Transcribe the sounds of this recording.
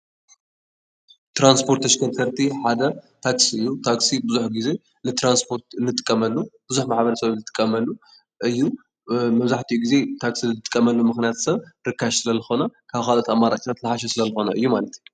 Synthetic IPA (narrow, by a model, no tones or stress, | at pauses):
t̪ɾanspʰo̞ɾt̪ʰːɐʃkʰɐɾkʰɐɾt̪ʰiħad̪ɐt̪ʰaksiɨjːut̪ʰaksibɨzuħɡize̞ | nɨt̪ɾanspʰo̞ɾt̪nːɨt̪ʼɨ̥kʼːɐmɐlːub̥ɨzuħmaħbɐɾɐsɐβnzɨt̪ʼɨkʼːɐmɐlːu | ʔɨjːu | mɐβzaħt̪ʰijuɡize̞t̪ʰaksinɨtt̪ʼɨ̥kʼːɐmɐlːumɨxnijat̪sɐβɾɨkʰːaʃsɨlɐzɨxo̞nakʰaβxalot̪amːaɾa̰t͡ʃʼit̪ʰat̪lɨħaʃ̬ɐsɨlɐzɨxo̞naʔɨjːumalɐt̪